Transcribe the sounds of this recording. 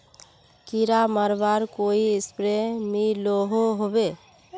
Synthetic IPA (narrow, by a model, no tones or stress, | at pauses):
kiɾaməɾbaɾkoiɪspɾemiloɦoɦobe